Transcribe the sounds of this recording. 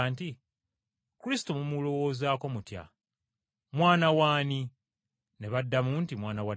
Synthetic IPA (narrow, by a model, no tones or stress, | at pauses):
anti | kuɾisi̥tomumulo̞wo̞ːzaːko̞mutja̰ | mwaːnawaːni | ne̞βadːamuːntimwaːnawa